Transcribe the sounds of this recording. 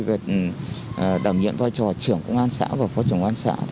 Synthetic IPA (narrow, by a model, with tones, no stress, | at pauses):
ve˨˩˨ | ɗaː˧˩wŋɲḭ˧˨ənvaː˧jt͡ɕɔ˨˩t͡ɕɨ˧˩əŋkə˧wŋʔaː˧nsa̰ː˧˥vaː˨˩fɔ˨˦t͡ɕɨ˧˩əŋʔaː˧nsa̰ː˧˥t